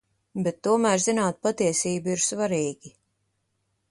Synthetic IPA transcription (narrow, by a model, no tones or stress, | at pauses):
bɛt̪ːuɔmæːɾzinaːt̪̚pat̪iɛsiːbiɾsvaɾiːɡʲi